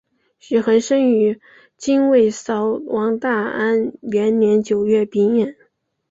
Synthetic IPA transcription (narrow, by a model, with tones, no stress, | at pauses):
ɕy˨˩xə˧˥nʂə˥ŋy˧˥ | t͡ɕi˥nwe˥˩ɪsɑ˧˥ʊwʔɑ˧˥ŋt̪a˥˩a˥nɥɛ˧˥nnjɛ˧˥nt͡ɕjo˨˩ʊɥɛ˥˩pi˧˥ŋjɛ˨˩˦n